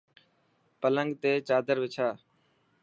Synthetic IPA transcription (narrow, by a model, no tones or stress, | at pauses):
pələŋɡt̪eːt͡ʃaːd̪əɾʋɪt͡ʃʰaː